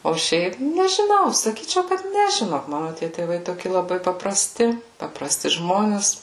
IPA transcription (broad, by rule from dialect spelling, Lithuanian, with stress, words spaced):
oː ˈʃʲɛɪp nʲɛʒʲɪˈnɐʊ sɐˈkʲiːt͡ʃʲɛʊ kɐt ˈnʲɛ ʒʲɪˈnoːk ˈmɑːnʊ tʲiɛ tʲeːˈʋɐɪ ˈtoːkʲɪ lˠɐˈbɐɪ pɐprɐˈsʲtʲɪ pɐprɐˈsʲtʲɪ ˈʒmoːnʲɛs